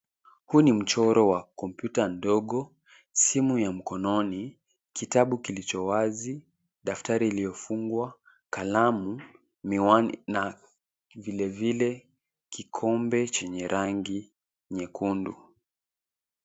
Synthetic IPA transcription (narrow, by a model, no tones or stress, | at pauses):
hunim̩t͡ʃɔɾɔwakɔmpjutandɔɠɔ | simujam̩kɔnɔni | kitaɓukilit͡ʃɔwazi | ɗaftaɾiːlijɔfuŋɡwa | kalamu | miwana | vilɛvilɛ | kikʰɔmbɛt͡ʃɛɲɛɾʔaŋɡi | ɲɛkʰundṵ